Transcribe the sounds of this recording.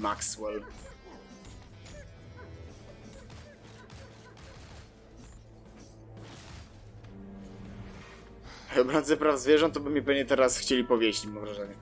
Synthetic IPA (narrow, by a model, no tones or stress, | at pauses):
makswɛl | ɔbɾɔnd̪zɛpɾavzvʲjɛʐɔnt̪t̪ɔbɘmʲɲɛpɛvɲɛt̪ɛɾasxt͡ɕelʲipɔvʲjeɕt͡ɕimamvɾaʐɛɲɛ